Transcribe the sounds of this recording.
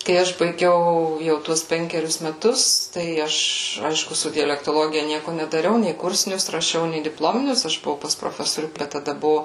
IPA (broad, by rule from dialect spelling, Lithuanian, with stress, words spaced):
kɐɪ ˈɐʃ bɐɪˈɡʲɛʊ jɛʊ ˈtuɔs ˈpʲɛŋʲkʲɛrʲʊs mʲɛˈtʊs tɐɪ ˈɐʃ ˈɐɪʃkʊ ˈsʊ dʲɛlʲɛktoːˈlˠoːɡʲɪjɛ ˈnʲiɛkʊ nʲɛdɐˈrʲɛʊ nʲɛɪ ˈkʊrʲsʲɪnʲʊs rɐˈʃʲɛʊ nʲɛɪ dʲɪpˈlˠoːmʲɪnʲʊs ˈɐʃ bʊˈʋɐʊ pɐs proːˈfʲæːsoːrʲuː ˈbʲɛt tɐˈdɐ ˈbʊʋoː